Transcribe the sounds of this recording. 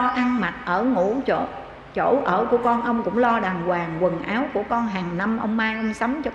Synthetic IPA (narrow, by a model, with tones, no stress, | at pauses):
ʔa˧nma˨˩t̚ʔəː˧˩ŋṵ˧˥t͡ɕo̰˧˨ | t͡ɕo̰˧˩ʔəː˧˩ku˧˩əkɔ˧nʔə˧wŋ͡mkʊ̰˧˥ŋ͡mlɔ˧ɗaː˨˩ŋkwaː˨˩ŋkwə˨˩nʔaː˨˦wku˧˩əkɔ˧nɦaː˨˩ŋna˧mʔə̰˧wŋ͡mmaː˧jʔə˧wŋ͡msa˨˦ŋ͡mt͡ɕɔ˧